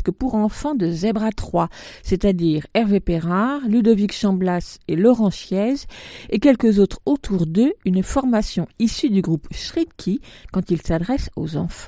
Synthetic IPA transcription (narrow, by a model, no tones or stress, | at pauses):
kəpuʁɑ̃fɑ̃d̪əzɛbʁat̪χwaset̪ad̪iːʁɛʁvepeʁaʁlyd̪ɔvikʃɑ̃blaselɔʁɑ̃ʃjɛzekʲɛlkəzot̪χot̪ʰuʁd̪øynfɔʁmasjɔ̃isyd̪yɡʁupʃχikʲʰikɑ̃t̪ilsad̪ʁɛso̰zɑ̃fɑ̃